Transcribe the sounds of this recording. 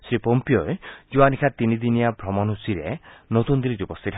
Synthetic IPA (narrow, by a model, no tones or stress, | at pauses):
sɾipompijoed͡ʒuanikʰat̪inid̪inijabʱɾɔmɔnɦusiɾenot̪und̪iɾiɾiupɔst̪ʰit̪ʰ